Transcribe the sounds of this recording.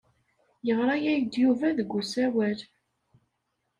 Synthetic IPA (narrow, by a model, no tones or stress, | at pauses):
jəʁɾˤɑjæjd̪juvæðəɡʷːusæwæl